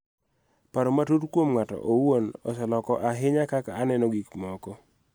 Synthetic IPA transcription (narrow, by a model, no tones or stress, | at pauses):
paɾomatutkwomŋatɔ̰ʔowonɔ̰sɔlɔkɔʔaɦɪɲakakaːnɛnɔɡikmɔkɔ